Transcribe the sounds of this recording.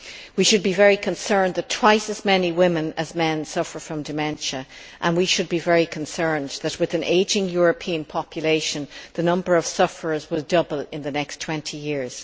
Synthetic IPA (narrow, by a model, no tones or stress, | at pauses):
wiʃɨd̚bivɛɹikʰə̃nsɜ̃˞nðɨtʰw̥aɪsɨzmɛniwɪ̃mə̃nəzmɛ̃nsʌfə˞fɹʌ̃mdɨmɛ̃nʃə | ʔə̃nwiʃɨd̚bivɛɹikʰə̃nsɜ̃˞nðət̚wɨðɨ̃nʔeɪd͡ʒɪ̃ŋjɔɹɨpʰĩɨ̃npʰɑpʰjɨleɪʃə̃nðɨnʌ̃mbə˞ʌv̥sʌfə˞ə˞zwɪlˠdʌbəlɪ̃nðɨnɛkstʰw̥ɛ̃ntʰijɪɹz̥